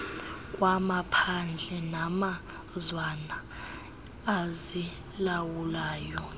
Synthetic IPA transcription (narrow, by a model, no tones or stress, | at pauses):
kʼwamapʰand͡ɮʱɛnama | zwanaː | zi | lawulaːjɔ